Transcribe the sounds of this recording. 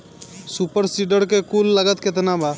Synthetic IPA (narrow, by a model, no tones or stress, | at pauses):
supəɾsiɖəɾkekulːəɡət̪ket̪naba